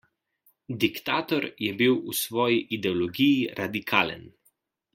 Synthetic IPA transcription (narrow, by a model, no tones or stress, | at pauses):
d̪ikt̪aːt̪ɔɾjɛbiwusʋɔːjiʔid̪ɛɔlɔɡijiɾʔad̪ikʰaːlə̰n